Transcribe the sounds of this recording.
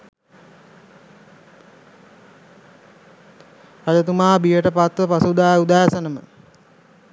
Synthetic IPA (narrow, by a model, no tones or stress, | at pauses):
pad͡ʒət̪umaːbijəʈəpat̪ʋəpasuud̪aːud̪aːsənəmə